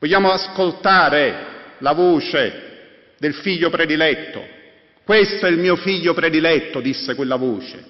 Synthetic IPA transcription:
vɔʎːaːmʊaskolt̪aːɾɪlavoːt͡ʃe | d̪ɪlfiʎːʊpɾɛd̪ilɛt̪ːʊ̰ | kwest̪oɛilmiːʊfiʎːʊpɾɛd̪ilɛt̪ːʊd̪isːɪkwelːavoːt͡ʃɪ̥̰

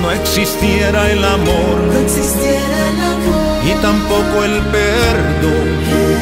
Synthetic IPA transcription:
meksist̪ieɾaelamo | ɾ | ɦit̪ɐmpokoelpeɾ | d̪o

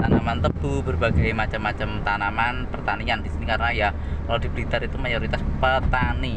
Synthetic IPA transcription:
t̪anamant̪əb̥ubərbaɡajmat͡ʃəmːat͡ʃəmt̪anamanpərt̪aniandisinikaɾənaja | kalod̪i̤bɾit̪aɾit̪umajoɾit̪aspət̪ani

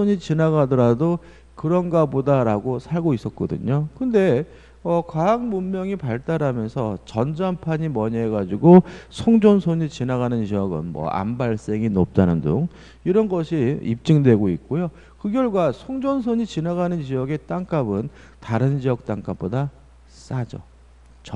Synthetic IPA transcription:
oɲit͡ɕinaɡadʌɾado | kɯɾʌnɡabodaɾaɡosʰaɭɡois͈ʌt̚k͈ʌdɯ̰ɲokɯnde̞ | ʌkwaaŋmumːjʌŋipaɭt͈aɾamjʌnsʰʌt͡ɕʌnd͡ʑampʰaɲimʌɲʌɦeɡad͡ʑiɡosʰoŋd͡ʑonsʰoɲit͡ɕinaɣanɯnt͡ɕiʌɡɯ̰nmwʌ̰ʔa̰mbaɭs͈e̞ŋinop̚t͈anɯndo̰ŋ | iɾʌnɡʌɕʰiḭp̚t͡ɕ͈iŋdwe̞ɡoit̚k͈ojo | kɯɡjʌɭɡwasʰoŋd͡ʑons̬ʰoɲit͡ɕinaɣanɯnt͡ɕijʌɡe̞t͈aŋk͈abɯn | taɾɯnd͡ʑijʌk̚t͈aŋk͈ap͈̚oda | s͈ad͡ʑʌ̰ | t͡ɕʌ

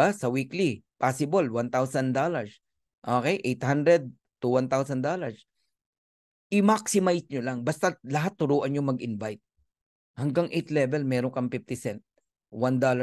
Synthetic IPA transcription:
asɐwiklipasɪbolwant̪awsɐnd̪olɐɹs | ʔoːkɛjʔejt̪hand̪ɾɛd̪̚ | t̪uwant̪awsɐnd̪olɐɹs | ʔɪmak̚sɪmajsɲolaŋbɐst̪alɐɦat̪ːʊɾuːʔɐɲjoŋmɐɡʔɪnvajt̪̚ | hɐŋɡaŋʔejt̪lɛvɛlmɛːɾoŋkɐmpɪft̪ɪsɛnt̪̚ | wand̪oːlɐ

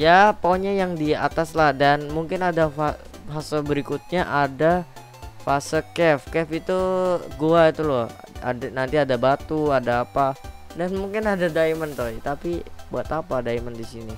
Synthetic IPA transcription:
japoɲajaŋdia̰t̪aslahdanmuŋkɪnadafafasəbəɾikut̪̚ɲaʔada | fasəkɛfkɛfit̪uɡuait̪ulɔha̰nant̪iadabat̪uadaːpa | danmuŋkɪnadadaimənt̪oit̪apibuat̪apadaiməndisini

